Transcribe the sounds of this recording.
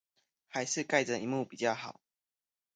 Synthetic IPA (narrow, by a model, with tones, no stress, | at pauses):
ha˨˦ɪʂɻ̩˥˧ka˥˩ɪʈ͡ʂə˨˩i˨˧˦mu˥˩pi˨˩t͡ɕjɑ˥˩ʊxɑ˨˩˦ʊ